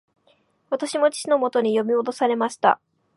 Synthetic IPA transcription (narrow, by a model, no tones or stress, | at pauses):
βat̪aɕimo̞t͡ɕi̥t͡ɕino̞mo̞t̪o̞ɲ̟ijo̞mʲio̞d̪o̞saɾe̞maɕi̥t̪a̰